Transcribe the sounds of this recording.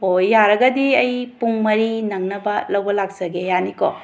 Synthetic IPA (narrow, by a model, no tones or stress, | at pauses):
ojːaɾɐɡɐdiɐjpuŋmɐɾinɐŋnɐbɐlɐwbɐlak̚sɐɡejaniko